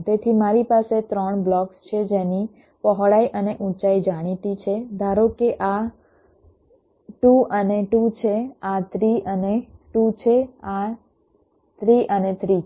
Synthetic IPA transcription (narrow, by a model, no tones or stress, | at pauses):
t̪et̪ʰimaɾipaset̪ɾəɳblɔkst͡ʃʰed͡ʒeni | pəɦɭaiʔəneʔũt͡ʃaid͡ʒaɽ̃it̪it͡ʃʰed̪ʱaɾokeʔa | ʈuəneʈut͡ʃʰeat̪ʰɾiʔəneʈut͡ʃʰea | t̪ʰɾiʔənet̪ʰɾi